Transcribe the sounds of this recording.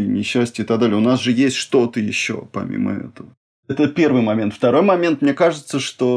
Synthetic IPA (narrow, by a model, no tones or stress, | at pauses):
nʲɪɕːæsʲtʲəɪt̪ɐɡd̪alʲɪjəʊnasʐɨjesʲtʲʂt̪o̞t̪əjɪɕːo̰pɐ̰mʲḭmə̰ɛ̰t̪əvə | ɛt̪əpʲe̞rvɨjmɐmʲent̪ft̪ɐɾo̞jmɐmʲent̪mnʲekaʐɨt̪səʂt̪o̞